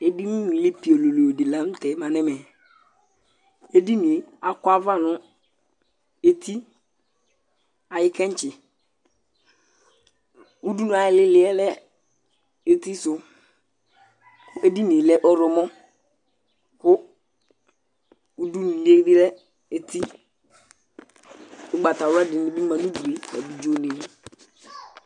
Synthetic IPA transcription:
e˦di˦nʊ̃˦wĩ˨lɪ˦pi˨o˨lo˨lo˨di˨la˦m̩˦tɛ˨˦mã˨nɛ˦mɛ˨ | e˦di˦nɪ̃˨a˨ka˦va˦nʊ̃˦ | e˦tʰi˦ | a˨jɪ˦kʰɛ̃˦ɲ˦t͡ʃɪ˨ | u˦du˦nʊ̃˨a˨jɪ˨lɪ˦lɪ˦ɛ˦lɛ˦ | e˦t̪i˦sʊ˨ | kʊ˦ʔe˦di˦ne˨lɛ˦ʔɔ˦ɾɔ˨mɔ̃˦ | kʊ˦ | u˦du˦nũ˨le˦dɪ˦lɛ˦ | e˨t̪i˦ | ʊ˦ɡ͡ba˨t̪a˨ɾʊ˦a˦dɪ˨nɪ̃˦bi˦mã˨nũ˦du˨e˨a̰˨bi˨d͡ʒo˦ne˨˦

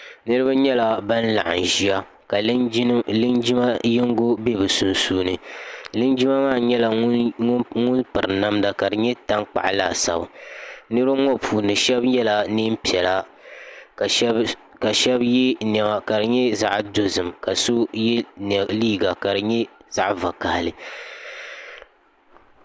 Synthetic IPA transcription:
nɨ˦ɾɨ˦ba˦ɲɛ˦la˨ba˦nla̰˨ʔa̰˨n˨ʒi˦a˦ | ka˨˦ɨ˦ni˦ma˦jɪ˦ŋ˦ɡo˦be˦bɨ˨su˨nsuː˦nɨ˨lɨ˦nd͡ʒi˦ma˦maː˦˨ɲɛ˦la˨˦ŋʊ˦nŋʊ˦npɨ˨ɾɨ˨na˦mda˨ka˨dɨ˨ɲɛ˦ta˦ŋk͡pa̰˨ʔa˨laː˨sa̰˨bɨ˨nɨ˦ɾɨ˦ŋɔ˦pʰuː˨nɨ˨ʃɛ˦bɲɛ˦la˨nɨ˦m˦pi˨ɛ˨la˦˨˦ | ka˨ʃɛ˦bjɛ˦nɛ˨ma˨ka˨ɾɨ˨ɲɛ˦za˦ʔdo˨zɨ˨mka˨so˦jɛ˦nɛ˨liː˦ɡa˨ka˨ɾɨ˨ɲɛ˦za˦ʔva˨ka˨hlɨ˨

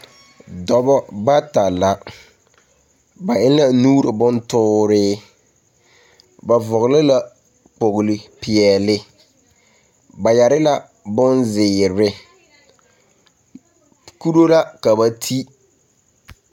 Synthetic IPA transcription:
dɔ˨bɔ˦ba˦ta˨la˦ | ba˨ɪ˦n˦la˦nuː˦ɾɪ˨bʊ˦ntʊː˦ɾɪː˦ | ba˨vʊ˨ɣɪ˨lɪ˦la˦ | k͡po˨ɣʊ˨lɪ˨pɪ˨ɛ˨lɪ˦ | ba˨ja˨ɾɪ˦la˦ | bʊ˦nzɪ˨ɾɪ˦ | ku˦ɾo˦la˦ka˨ba˨tʰi˦

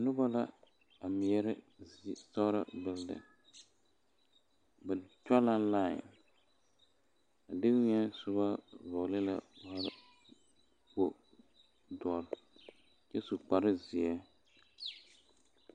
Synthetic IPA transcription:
nʊ˦ba˦la˦ | a˨mɪ˨jɛ˦ɾɪ˦ | sa˦ɾa˦bɪ˦ldɨ̰˨ | bɛ˨t͡ʃɔ˦la˦laː˦˨ | a˨dɪ˦kɲɛ˦sʊ˦ba˦vɔ˨lɨ˦la̰˨wa˦ | po˦ | dɔ˨l | t͡ʃɛ˦su˨k͡pa˨ɾɪ˦zɪ˨ɛ˦

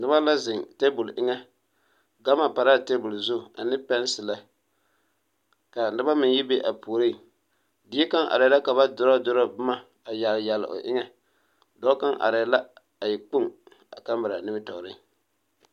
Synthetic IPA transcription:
nɨ˦ba˦la˦zɪ˨ŋte˦bʊ˨lʔɪ˦ŋɛ˦ | ɡa˦ma˨pa˨ɾa˦te˦bʊ˨lzʊ˦˨a˨nɨ˦pɛ˦n˦sɪ˨la˨ | ka˨nɨ˦ba˦mɪ˨n˦ji˦be˦ʔa˨pu˨ɾi˦˨ | dɪ˨˦e˦ka˦ŋʔa̰˨ɾɛ˨˦la˦ka˨ba˦dʊ˦ɾa˦dʊ˦ɾɔ˦bʊ˦ma˦ | a˨ja˨lja˨l̰ʔo̰˨ʔɪ̰˦ŋɛ˦ | dɔ˦ka˦ŋʔa̰˨ɾɛ˨˦la˦ | a˨jɪ˨k͡pʊ˦ŋ | a̰˨ka˦mbɨ˨ɾa˨nɪ˦bɪ˦tɔ˨ɾɪ̰˦ŋ

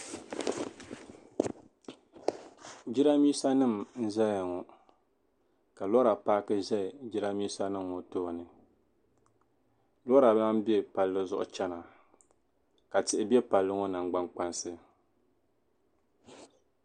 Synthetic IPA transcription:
d͡ʒi˦ɾa˦mi˦sa˦nɨ˦˨mn̩˦za˦ja˨ŋɔ˨ | ka˨lɔ˦ɾa˨paː˦kɨ˦ʒɛ˦ɪ˨d͡ʒi˦ɾa˦miː˦sa˦nɨ˦mː˨o˨toː˦˨nɨ˨ | lɔ˦ɾa˨˦na˦m˦bɛ˦pa˨lːɨ˦zʊ˦ʔʊ̰˦t͡ʃɛ˦na˨ | ka˨tɪ˨ʔɪ˨bɛ˦pa˨lːɨ˦ŋo˦na˨ŋɡ͡ba˦ŋk͡pa˦nsɨ˦

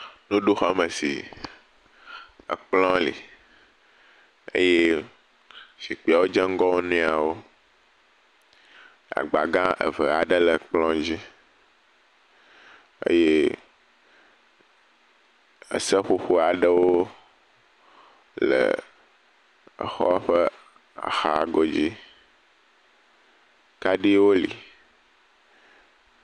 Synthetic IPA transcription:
nũ˦ɖu˦xa˦mə̃˨sḭ˨ | ə̰˨k͡plɔ̃˦lḭ˨ | ḛ˦je˦ | ʃi˨k͡pi˨a˨wo˦d͡ʒɛ˦ŋ̩˦ɡɔ˦wo˦nɛ̃˦a˨wo˦ | a̰˨ɡ͡ba˨ɡã˦ʔə̰˨və˨a˨ɖə˦lə˨k͡plɔ̃˦d͡ʑi˦ | ḛ˦je˦ | ə̰˨sə˦ɸu˦ɸu˦a˨ɖə˦wo˦ | lə̰˨ | ə̰˨xɔ̰˦ɸə˦ | a̰˨xa˨ɡo˦d͡ʑi˦ | ka˦ɖi˦wo˦lḭ˨

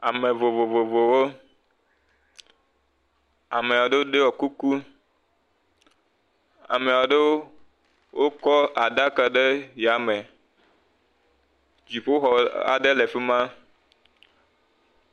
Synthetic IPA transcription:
a˨mẽ˨vo˨vo˨vo˨vo˨wo˦ | a˨me˨ɔ˨ɖe˦wo˦ɖe˦wɔ˨ku˦ku˦ | a̰˨me˨wɔ˨ɖe˦wo˦ | wo˦kɔ˦a˨da˦ka˨ɖe˦ja˨mẽ˨ | d͡ʑi˨ɸo˦xɔ˨a̰˨ɖe˦le˨ɸe˦mã˦

